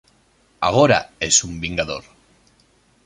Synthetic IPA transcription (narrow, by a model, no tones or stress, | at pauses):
a̰ɣ̞o̞ɾa̰esumbiŋɡaðo̞̰ɾ